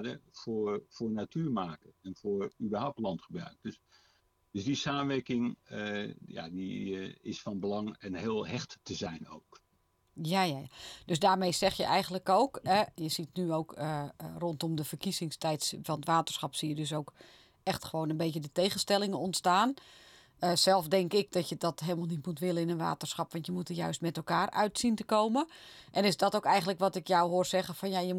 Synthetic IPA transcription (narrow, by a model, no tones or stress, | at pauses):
dəfʊːrfʊːrnatʰyːɹmaːkəɛnfʊːɹybərɦawp̚tlɑntχəbrœ̰ɥk̚ds | døzdisaːmənʋɛrkɪŋ | ja̰diɪ̰sfɑnbəlɑŋɛnɦɪːlˠɦɛxttəzɛjno̰wk | jajajad̥øsdaːɹmejsɛxjə̰ʔɛjɣənləkowkɛjəsitnyowkərontɔmdəfərkisɪŋstɛjtsfɔnətʋaːtərsxɑpsijədøs̬owk | ɛxtχəʋoːnənbeːtədətejɣənstɛlˠɪŋənɔntstaːn | əsɛlˠfdɛŋkɪk̚dɔtjədɔtɦeːlˠmalˠnitmutʋɪlˠənɪnənʋa̰ːtərsxɑpʋɑntjəmutəjœ̰ɥstmɛtɛlˠkaːrœ̰ɥtsintəkowməʔɛnɪsdɔtokɛjɣəntləkʋɔtɪkjɔwɦʊərsɛɣəfɔnjajə